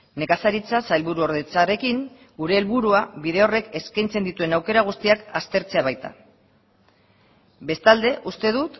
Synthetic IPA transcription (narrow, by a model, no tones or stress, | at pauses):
ne̞kasaɾit͡sasajlβuɾuo̞ɾðet͡sare̞kiŋ | ɡuɾe̞ːlβuɾuaβiðe̞o̞re̞ke̞skajnt͡se̞nd̪it̪ue̞nawke̞ɾaɣ̞ust̪iakast̪e̞ɾt͡se̞aβajt̪a̰ | be̞st̪ald̪e̞ʔust̪e̞ðut̪